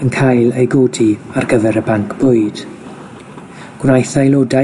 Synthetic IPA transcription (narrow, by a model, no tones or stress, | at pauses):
ənkʰajlejɡodiarɡəvɛɾəbaŋkʰb̥ʊɨd̥ | ɡ̥wnajθajloda